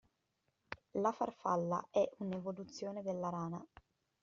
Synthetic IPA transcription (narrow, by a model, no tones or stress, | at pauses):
lafa̰rfa̰lːa̰ʔɛʔunevolut̪sːjoːned̪elːaɾaːna